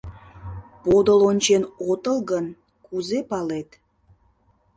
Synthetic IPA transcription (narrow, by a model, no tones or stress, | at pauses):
pod̪əlonʲt͡ɕenot̪əlɣən | kuzepɑlet̪